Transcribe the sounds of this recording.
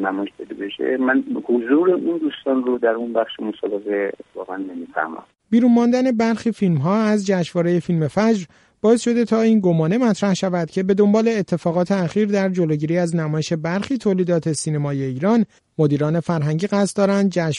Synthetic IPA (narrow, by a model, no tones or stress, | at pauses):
næmɒjeʃpʰed̪ebeʃḛmænhozuːɾeʔund̪uːst̪ɒːnɾod̪æɾunbæχʃemosɒbeɣeet̪ʰːe̥fɒ̰ːɣænːemifæ̰ɾmæ̰m | b̥iːɾunmɒnd̪æne̞bæɾxiːfilmɦɒːæzd͡ʒæʃvɒːɾe̞je̞filme̞fæd͡ʒɾ | b̥ɒːe̞sʃo̞d̪e̞t̪ʰɒːiːnɡomɒːne̞mæt̪ʰɾæhʃævæd̪̥cʰe̞be̞d̪o̞mbɒːle̞ːt̪ʰːe̞fɒːɣɒːt̪ʰe̞æxiːɾd̪æɾd͡ʒoloɟiːɾiːæznæmɒːjeʃe̞bæɾxiːt̪ʰoːliːd̪ɒːt̪ʰe̞sine̞mɒːje̞iːɾɒːn | mod̪iːɾɒːne̞fæɾɦæŋɟiːɣæst̪d̪ɒːɾænd̪̚d͡ʒæʃ